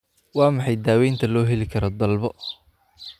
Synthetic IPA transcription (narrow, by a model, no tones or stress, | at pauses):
wɑːmɑħɑjd̪aːwɛjnt̪ʰɐlɔːɦɛlɪkʰɐɾɔd̪ɐlbɔ